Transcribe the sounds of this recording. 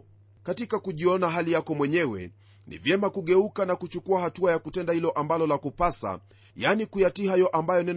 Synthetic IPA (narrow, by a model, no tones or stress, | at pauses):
katikakuʄiɔnaɦalijakɔmwɛɲɛwɛ̰ | nḭvjɛmakuɠɛukanakut͡ʃukuahatuajakutɛndahilɔʔambalɔlakupasa̰ | janikujatihajɔʔambajɔnɛn